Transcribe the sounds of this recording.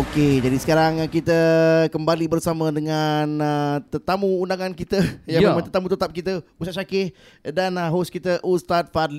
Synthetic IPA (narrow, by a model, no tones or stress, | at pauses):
oked͡ʒadisə̥kaɾaŋkit̪əkəmbalibərsamə̃dəŋanət̪ət̪amũːndaŋãnkit̪əjaməmə̃t̪ət̪amut̪ət̪ap̚kit̪əustaʃakɪh | danəɦoskit̪əʔust̪at̪̚fadl